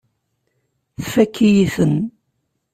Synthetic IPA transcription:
θfækːijiθən

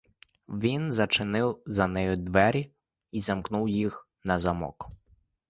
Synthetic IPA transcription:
ʋʲinzɐt͡ʃɪnɪwzɐnɛjʊd̪ʋɛɾʲi | izɐmknuwjix | nɐzɐmɔ̰k

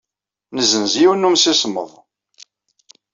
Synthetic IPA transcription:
nəzənziwənːumsismə̰ðˤ

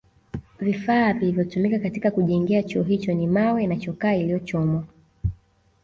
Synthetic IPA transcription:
vifaːvilivjɔtumikakatikakuʄɛŋɡiat͡ʃuɔɦit͡ʃɔnimawɛinat͡ʃɔkaːilijɔt͡ʃɔmɔ

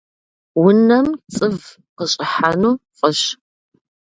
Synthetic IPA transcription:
wʊnɐmt͡sʼɨv | qəɕʼɪħanuːqʼəɕ

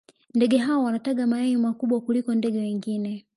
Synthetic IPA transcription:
ndɛɡɛɦawɔwanataɡamaɛɲimakuɓwakulikɔndɛɡɛwɛŋɡinɛ

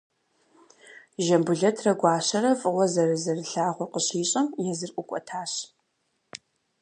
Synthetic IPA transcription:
ʒɐmbʊɮɐtʰrɐɡʷɑːɕɐɾɐfʼɨwʷɔzɐrɨzɐrɨɬaːʁʷɔqəɕiːɕʼɐmjɛzɨrʔʷʼʊkʷʼɔ̰tʰaːɕ

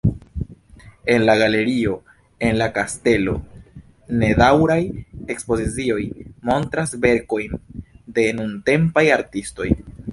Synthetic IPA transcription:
e̞nlaɡale̞ɾio | e̞nlakaste̞lo̞̰ | ne̞dawɾaje̞kspo̞zit͡sio̞jmo̞ntɾasve̞ɾko̞jnde̞nunte̞mpajaɾtisto̞̰j

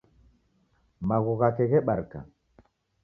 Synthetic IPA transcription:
maɣuɣakɛɣɛɓaɾka̰

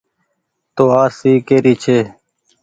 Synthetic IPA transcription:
t̪oːaːsiːkeːɾiːt͡ʃʰeː

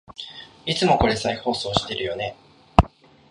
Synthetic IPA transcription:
it͡sɨmo̞ko̞ɾe̞saiho̞ːso̞ːɕi̥t̪e̞ɾʔɯ̟jo̞ne̞

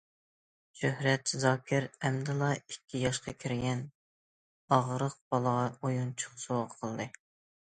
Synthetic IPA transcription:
ʃøhɾɛt̪zɑːkʲʰɪɾɛmd̪ɨlˠɑikʲʰːijɑʃqɑkʲʰiɾɡʲɛn | ɑʁɾəq̚b̥ɑlˠəʁɑojunt͡ʃʰʊ̥χsoʁəqʰəlˠd̪ɨ

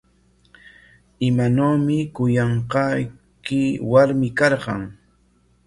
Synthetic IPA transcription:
ɪmanoːmɪkʊjɑɴqɑj | kɪwaɾmɪkɑɾɢɑŋ

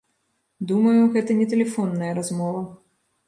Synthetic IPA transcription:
d̪uməjʊɣɛt̪ənʲɪt̪ʲɪlʲɪfonːəjəɾɐzmɔvə

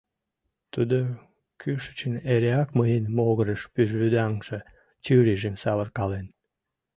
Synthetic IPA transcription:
t̪ud̪o | kʰyʃə̥t͡ɕəneɾeɑkməjənmoɣəɾəʃpyʒβyd̪ɑŋʃe | t͡ɕyɾiʒemsɑβərkɑlen

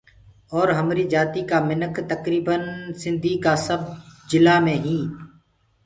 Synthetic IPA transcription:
ɔːɾɦəmɾiːd͡ʒaːt̪iːkaːmɪnəkt̪əkɾiːbənsɪ̃nd̪ʱiːkaːsəb̚d͡ʒɪlaːmẽːɦĩː

